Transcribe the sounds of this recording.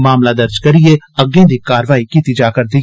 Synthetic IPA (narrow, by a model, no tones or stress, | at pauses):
maːmlad̪ɐɾd͡ʒkɐɾieɐɡẽːd̪ikːaːɾʋaːikit̪id͡ʒaːkɐɾd̪i